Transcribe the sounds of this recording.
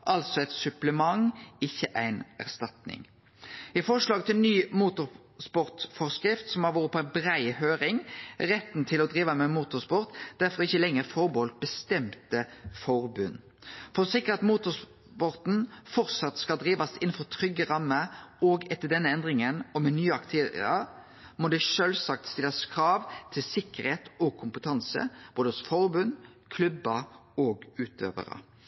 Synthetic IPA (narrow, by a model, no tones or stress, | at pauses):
ʔɑlsɔɛt̪sʉpləmɑŋɪçːəʔæɪnæ̰ʁst̪ɑt̪nɪ̰ŋ | ɪfɔʁʂlɑːɡt̪ʰɪlnyːmuːt̪ʊɾ | spɔʁt̪fɔʁskɾɪft̪sɔmhɑɾʋoːɾəpʰɔæɪnbɾæɪhøːɾɪŋʁɛt̪nt̪ʰɪlɔd̪ɾiːʋəmɛmuːt̪ʊʁspɔʁt̪d̪̥æʁfɔʁɪçːəlɛŋːəɾfɔʁbɔlt̪̚bəst̪ɛmt̪əfɔʁbʉnː | fɔʁsɪkːəʁɑt̪muːt̪ʊs | pɔʁt̪n̩fɔʁt̪sɑt̪skɑld̪ɾiːʋɑsɪnn̩fɔʁt̪ʰʁʏɡːəɾɑmːəɔːɡɛt̪ːəd̪ɛnːəɛnd̪ʁɪŋənɔmɛnyːəɑkt̪ʰeːɾɪ̰ɑ | mɔd̪ɛʃøːlsɑk̚t̪st̪ɪlːɑskʰɾɑːʋt̪ʰɪlsɪkːəʁɾheːt̪ɔɡkʰʊmpət̪ʰɑnsə̰b̥oːd̪əsfɔʁbʉn | kʰlʉbːəɔɡʉːt̪ø̰ːʋə̰ɾə̰